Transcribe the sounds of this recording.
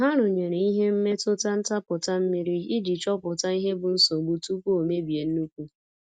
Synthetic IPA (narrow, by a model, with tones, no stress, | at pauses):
a˨ɦa˦ɾʊ˨ɲe˨ɾe˨i˦ɦe˦m̩˦me˦tʊ˦ta˦n̩˦ta˦pʊ˨ta˦m̩˦mi˦ɾi˦ɪ˦d͡ʒi˨t͡ʃɔ˦pʊ˨ta˦i˦ɦe˦bʊ˨n̩˦sɔ˨ɡ͡bu˨tu˦kʷu˦o˨me˦bi˨e˨n̩˦u˦kʷu˦